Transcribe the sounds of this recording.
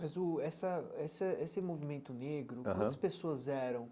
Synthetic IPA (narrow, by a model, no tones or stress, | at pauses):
mɐzʊɛsɐɛsɐesɪmovimẽnt̪ʊneɡɾʊkɐ̃ɐ̃ɐspesoɐzɛɾɐ̃w̃